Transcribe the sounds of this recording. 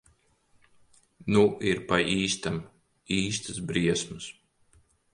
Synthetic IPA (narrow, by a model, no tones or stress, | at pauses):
nuiɾpaʔiːst̪am | iːst̪ɨsbɾiɛsmɨs